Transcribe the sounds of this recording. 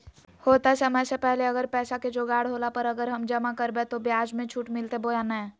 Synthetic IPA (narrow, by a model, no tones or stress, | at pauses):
hoːt̪asəməsepɛɦleəɡəɾpɛːsaked͡ʒoːɡaːɽɦoːlapəɾəɡəɾɦəmd͡ʒəmakəɾbet̪objaːd͡ʒmẽt͡ʃʰuʈmɪlt̪eboːjanɛ̃